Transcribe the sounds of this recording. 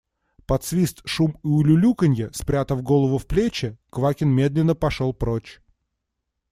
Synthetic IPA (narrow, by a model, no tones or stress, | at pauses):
pɐt̪svʲist̪ʂumɨʊlʲʊlʲukənʲjəspɾʲat̪əvɡo̞lˠəvʊfplʲet͡ɕɪkvakʲɪnmʲe̞d̪lʲɪnːəpɐʂolˠpɾot͡ɕ